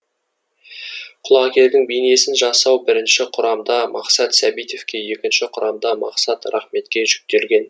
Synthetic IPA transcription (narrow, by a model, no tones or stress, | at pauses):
qʰʊlˠɑkʲe̞ld̪ɪŋbijne̞sɪnʒɑsɑwbɪɾɪnʃɪqʰʊɾɑmd̪ɑmɑqsɑt̪sæbijt̪e̞fkʲe̞je̞kʲɪnʃɪqʰʊɾɑmd̪ɑmɑqsɑt̪ɾɑχme̞t̪kʲe̞ʒʏk̚t̪e̞lɡʲe̞n